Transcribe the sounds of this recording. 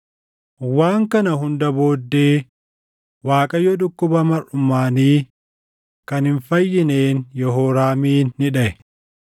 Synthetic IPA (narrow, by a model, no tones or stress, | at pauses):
waːŋkɐnɐɦʊnd̪ɐbo̞ːd̪ːe̞ː | waːkʼɐjɔᶑ̪ʊkːʊbɐmɐrʊmːaːniː | kɐnhɪnfɐjːɪneːnjɔɦoːɾaːmiːnːɪᶑɐɛ